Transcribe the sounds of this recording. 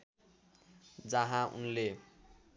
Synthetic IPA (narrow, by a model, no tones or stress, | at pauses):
d͡zʌɦãṵnle